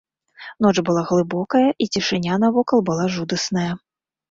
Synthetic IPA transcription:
nɔt͡ʂbɨlˠaɣlˠɨbɔkɐjɐʔit͡sʲiʂɨnʲanɐvɔkɐlˠbɨlˠaʐud̪ɐsnɐjɐ

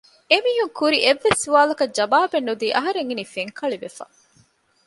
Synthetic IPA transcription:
emiːɦuŋkuɾiʔeʋːesːuʋaːlɐkɐd͡ʒɐbaːbenːud̪iːʔɐɦɐɾeŋinifeŋkʰɐɭiʋefɐ̰

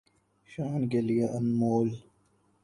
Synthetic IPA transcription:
ɕaːnkelijaʔɐnmoːl

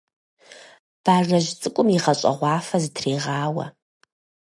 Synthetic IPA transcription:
b̥aːʐɐʒt͡sʼɨkʷʼʊmiʁɐɕʼɐ̰ʁʷɑːfɐzɨtʰriːʁaːwɐ̰

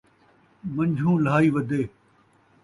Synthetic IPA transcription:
mɐ̃ɲd͡ʒʱũːlaːiːʋɐd̪eː

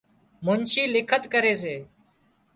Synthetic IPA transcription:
mʊnʃiːlɪkʰət̪kəɾeːs̬eː

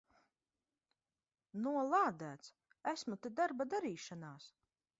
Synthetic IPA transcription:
nuɔlˠaːd̪æːt̪s | æsmut̪ed̪aɾbad̪aɾiːʃanaːs

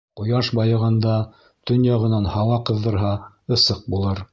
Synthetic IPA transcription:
qŏjɑʃbɑjɤ̆ʁɑnd̪ɑ | t̪ɵnjɑʁɤ̆nɑnhɑwɑqɤ̆ðːɤ̆ɾɦɑ | ɤ̆sɤq̚bulˠɤɾ

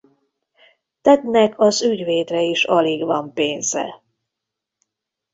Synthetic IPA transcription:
t̪ɛd̪nɛkʰɒzyɟveːt̪rɛiʃɒliɡvɒmpeːnzɛ̰

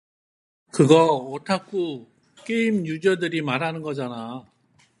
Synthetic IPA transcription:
kɯɡʌʌtʰak͈ʰu | k͈eimjud͡ʑʌdɯɾimaɾɦanɯnɡʌd͡ʑana

